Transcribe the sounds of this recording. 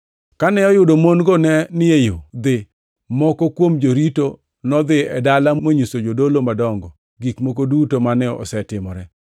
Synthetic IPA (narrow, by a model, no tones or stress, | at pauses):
kanɛɔjʊdomonɡɔnɛnɪjejod̪ɪ | mɔkɔkwomd͡ʒoɾito | nɔd̪ɪɛdalamoɲusod͡ʒodolomadɔŋɡɔ | ɡikmok̬odutomanɛɔ̰sɛtɪmɔɾɛ